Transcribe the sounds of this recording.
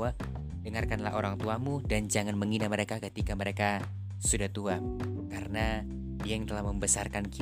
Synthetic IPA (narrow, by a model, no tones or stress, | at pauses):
a | dəŋarkanla̰ɦoɾaŋt̪uamudand͡ʒaŋanməŋinaməɾekakət̪ikaməɾeka | sudaht̪uakaɾəna | diajəŋt̪əlahməmbəsarkanki